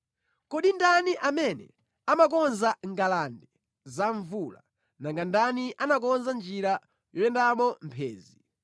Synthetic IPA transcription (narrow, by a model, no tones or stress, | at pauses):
kɔɗindaniʔamɛnɛ̰ | amak̬ɔnzaŋɡalandɛ | zaɱvula̰ | naŋɡandaniʔanak̬ɔnzand͡ʒiɾa | jɔjɛndamɔm̩pʰɛ̰ːzi